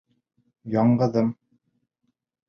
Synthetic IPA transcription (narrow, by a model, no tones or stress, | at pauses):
jɑɴɢɤ̆ðɤm